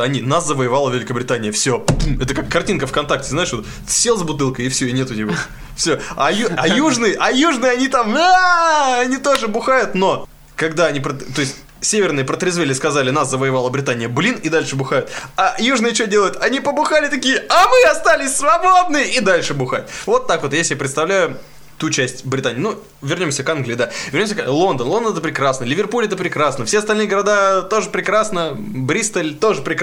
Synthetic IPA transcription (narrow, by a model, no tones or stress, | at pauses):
ɐnʲinaszəvəjɪvalˠəvʲɪlʲɪkəbɾʲɪt̪anʲɪjəfsʲɵmɛt̪əkakːɐrtʲinkəfkɐnt̪ak̚tʲɪznaɪʂvot̪ | sʲelˠzbʊt̪ɨlˠkəjɪfsʲɵɪnʲe̞t̪ʊnʲɪvo | fsʲoɐjɐjuʐnɨjəʔɐjuʐnɨjɐnʲit̪amaɐnʲit̪o̞ʐɨbʊxajʊt̪no̞ | kɐɡd̪aɐnʲipɾət̪o̞ɪsʲtʲ | sʲevʲɪrnɨjəpɾət̪ɾʲɪzvʲelʲɪskɐzalʲɪnaszəvəjɪvalˠəbɾʲɪt̪anʲɪjəblʲinid̪alʲʂɨbʊxajʊt̪ajuʐnɨjət͡ɕodʲelˠjʊt̪ʰɐnʲipəbʊxalʲɪt̪ɐkʲijəɐmɨɐst̪alʲɪsʲsvɐbod̪̚nɨjəʔɪd̪alʲʂɨbʊxat̚ʲvo̞t̪ːakvot̪jeslʲɪjapɾʲɪt̪st̪ɐvlʲæjʊ | t̪ut͡ɕæsʲtʲbɾʲɪt̪anʲɪːnu | vʲɪrnʲo̞msʲəkanɡlʲɪiːd̪avʲɪrnʲomsʲəlˠo̞nd̪ənlˠo̞nd̪ənɛt̪əpɾʲɪkɾasnəlʲɪvʲɪrpulʲɪɛt̪əpɾʲɪkɾasnəfsʲeɐst̪ɐlʲnɨjɡəɾɐd̪at̪o̞ʐɨpɾʲɪkɾasnə | bɾʲist̪əlʲt̪o̞ʐɨpɾʲɪk